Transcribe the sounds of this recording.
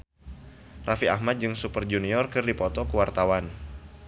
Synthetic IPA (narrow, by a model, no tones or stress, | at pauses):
rafiahmat̪̚d͡ʒɨŋsupərd͡ʒuniɔrkɨrdipɔt̪ɔkuwart̪awan